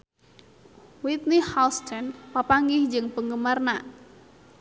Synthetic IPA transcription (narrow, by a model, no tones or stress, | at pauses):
wit̪̚nihalst̪ʰɛnpapaŋɡɪhd͡ʒɨŋpəŋɡəmarna